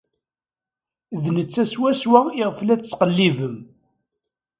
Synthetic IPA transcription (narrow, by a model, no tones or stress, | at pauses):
ðnət͡sːæswæswæiʁflæt͡sːt͡sːqəlːivəm